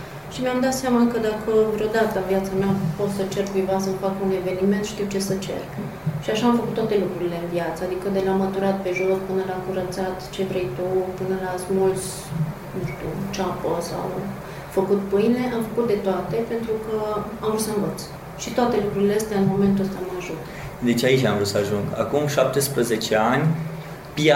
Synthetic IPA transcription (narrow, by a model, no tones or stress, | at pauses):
ʃimeamd̪at̪seamakəd̪akʰəvɾeo̞d̪at̪əɨnvijat̪sameapo̞ssət͡ʃe̞rkuijvasəmfakune̞ve̞nime̞nt̪ʃt̪iwt͡ʃe̞sət͡ʃe̞̰r | ʃiaʃaːmfəkut̪t̪ːwat̪e̞lukɾuɾile̞ɨnvjat̪səad̪ikəd̪e̞lamət̪uɾat̪̚pe̞ʒo̞spɨnəlakuɾət̪sat̪t͡ʃe̞vɾe̞jt̪upɨnəlasmols | nuʃt̪ut͡ʃapəsa̰w | fəkut̪pɨjne̞ʔamfəkut̪̚d̪e̞t̪oat̪e̞pe̞nt̪ɾukəamɾut̪səɨnvət̪s | ʃit̪oat̪e̞lukɾuɾileəst̪eaɨnmo̞me̞nt̪uəst̪amaʒut̪ | d̪e̞t͡ʃait͡ʃʲa̰mvɾut̪səaʒuŋɡa̰kumʃap̚t̪espɾəzet͡ʃeanʲ | pia